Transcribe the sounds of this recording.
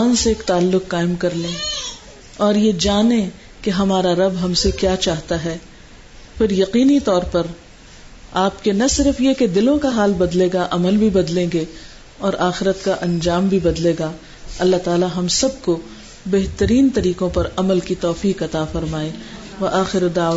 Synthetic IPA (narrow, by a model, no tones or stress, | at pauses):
aːnseeːkt̪aːlːʊqːaːɪmkɐɾlẽː | ɔːɾjed͡ʒaːnẽ | keɦɐmaːɾaɾɐbɦɐmsekjaːt͡ʃaːɦt̪aɦɛː | fɪɾjɐqiːnit̪ɔːɾpɐɾ | aːpkenɐsɪɾəfjeked̪ɪlõkaɦaːlbɐd̪leːɡaʔɐməlbʱibɐd̪lẽːŋɡe | ɔːɾaːxɪɾət̪kaʔɐ̃nd͡ʒaːmbʱibɐd̪leːɡa | ɐlːat̪aːlaɦɐmsɐb̚ko | bɛɦt̪əɾiːnt̪ɐɾiːqõpɐɾɐməlkit̪ɔːfiːqɐt̪afɐɾmaːe | ʋɐʔaːxɪɾd̪aː